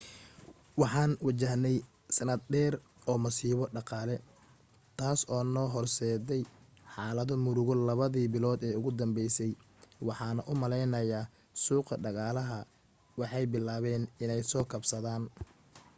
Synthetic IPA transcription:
wɑħɑːnwɑt͡ʃɐɦnɛj | sɐnɐd̪̚ɖɛːr | ɔːmɐsiːβɔɖɑqɑːlɛ | t̪ʰaːsɔːnɔːɦɔrsɛːðɛj | ħɑːlɐðɔmʊɾʊɣɔlɐβɐðiːbɪlɔːd̪ɛːʊɣʊd̪ɐmbɛjsɛj | wɑħɑːnɐʔʊmɐlɛjnɐjaː | suːqɐɖɑɣɑːlɐɦɐ | wɑħɑjbɪlaːβɛːnɪnɛjsɔːkʰɐbsɐðaːn

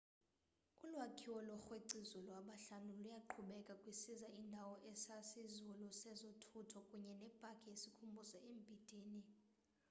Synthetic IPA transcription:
ulwakʰiwɔlwɔxweǀizɔlwaɓaɬanulujaǃʰuɓɛkʼakʼwisizaʔindʱawɔʔɛsasizulɔsɛzɔtʰutʰɔkʼuɲɛnɛb̥ʼʱakʰʼijesikʰumbʱusɛembʱid̥ʱiːni

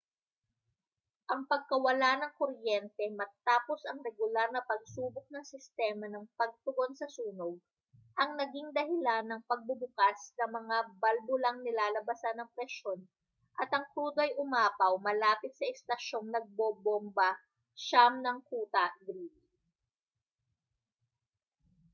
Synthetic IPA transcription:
ʔɐŋpɐɡ̚kɐwɐlanɐŋkoɾjɛnt̪ɛmɐt̪aːpo̞sɐŋɾɛɡʊlaɾnɐpɐɡ̚suːbok̚nɐŋsɪst̪ɛːmɐnɐŋpɐɡ̚t̪ʊɡo̞nsɐsuːnoɡ̚ | ʔɐŋnɐɡiŋd̪ɐɦɪlanːɐŋpɐɡ̚bʊbʊkasnɐmɐŋabɐlbʊlɐŋnɪlaːlɐbɐsɐnːɐŋpɾɛʃo̞n | ʔɐt̪ɐŋt̪uːd̪oʔɐjʔʊmaːpɐwmɐlaːpɪt̪̚sɐʔɛst̪ɐʃo̞ŋnɐɡ̚bobombɐ | ʃamnɐŋkuːt̪ɐɡɾiːdi

